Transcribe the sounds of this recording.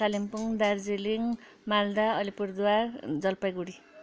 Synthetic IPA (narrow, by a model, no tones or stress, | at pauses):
salimpuŋd̪ard͡zeliŋ | mald̪aʌlipuɾd̪uward͡zʌlpajɡuɽi